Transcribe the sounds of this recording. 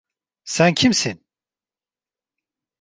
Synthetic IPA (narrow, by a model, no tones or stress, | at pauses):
sæncʰimsin